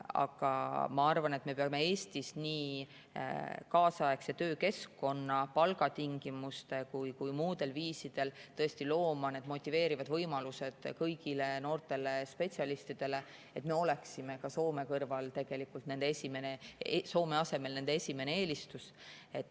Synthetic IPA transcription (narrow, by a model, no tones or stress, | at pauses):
ɑ̰ɡ̥ɑ̰mɑɑrvɑne̞t̪me̞peɑme̞e̞ːst̪isniː | kɑːsɑekset̪ø̞ːke̞skːo̞nːɑpɑlɡɑt̪iŋɡ̥imust̪e̞kujkujmuːd̪̥e̞lviːsid̪̥e̞lt̪ɤ̞est̪ilo̞ːmɑne̞d̪mo̞t̪ʲːˑive̞ːɾivɑd̪vɤjmɑluse̞d̪̥kɤjɡ̥ile̞no̞ːrt̪ˑe̞le̞spe̞t̪ʲsʲiɑlist̪id̪̥e̞le̞ | e̞t̪me̞o̞le̞ksime̞kɑso̞ːme̞kɤrvɑlt̪e̞ɡ̥e̞likːˑult̪ne̞nd̪eesime̞neeso̞ːme̞ɑse̞me̞lne̞nd̪eesʲime̞ne̞eːlist̪us | e̞t̪ːˑ